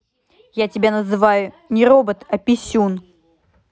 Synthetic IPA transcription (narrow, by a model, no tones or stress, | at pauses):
jatʲɪbʲanəzɨvajʊ | nʲɪɾobət̪ɐpʲɪsʲun